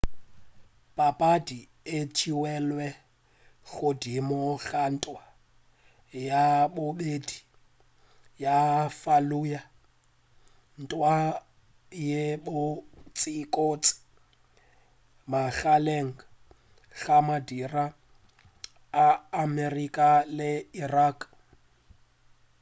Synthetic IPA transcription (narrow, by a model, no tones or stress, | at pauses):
pʼapʼadi | et͡ʃʰiwɛlwɛ | ɣʊdimɔɣan̩tʼwa | jabʊbedi | jafaluja | n̩tʼwa | jebʊt͡sʼikʼot͡sʼɪ̥ | maɬaleŋ̩ | ɣamadira | aːmerikʼalɪirakʼ